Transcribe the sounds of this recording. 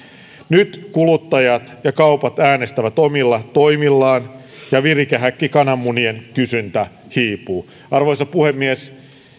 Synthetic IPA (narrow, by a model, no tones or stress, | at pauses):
nyt̪kulut̪ːɑjɑt̪jɑkɑupɑt̪æːnest̪æʋæt̪omilːɑt̪oimilːɑːn | jɑʋirikæɦækːikɑnɑmːunienkysynt̪æ | hiːpuː | ɑrʋoisɑpuhemːies